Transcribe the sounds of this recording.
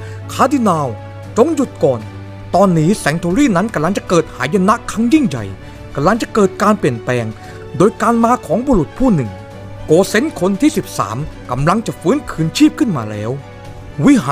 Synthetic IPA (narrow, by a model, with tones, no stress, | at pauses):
kʰaː˧˥di˧naː˧w | t͡ɕo˨˧ŋju˨˩t̪̚kɔː˨˩n | t̪ɔː˧nːiː˦˥sɛ˨˩˦ŋt̪ʰoː˧ɾiː˥˩na˦˥nka˧mla˧ŋt͡ɕa˨˩kɤː˨˩t̪̚haː˩˦ja˧na˦˥ʔkʰa˦˥ŋji˥˩ŋja̰˨˩j | ka˨˧˩mla˧ŋt͡ɕa˨˩kɤː˨˩t̪̚kaː˧npli˨˩ənplɛː˧ŋ | doː˧jkaː˧nmaː˧kʰɔː˩˦ŋboː˧ɾu˨˩t̪̚pʰuː˥˩nɯ˨˩ŋ | koː˧se˦˥nkʰo˧nt̪ʰiː˥˩si˨˩p̚sa̰ː˩˦mka˧˩mla˧ŋt͡ɕa˨˩fɯː˦˥nkʰɯː˧nt͡ɕʰiː˥˩p̚kʰɯ˥˩nmaː˧lɛː˦˥w | wi˦˥ɦaː˨